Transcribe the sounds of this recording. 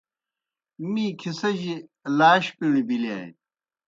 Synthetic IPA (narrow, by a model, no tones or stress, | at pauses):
mikʰisɐʑilaːɕpiɳ̃ibilia̰ːḭ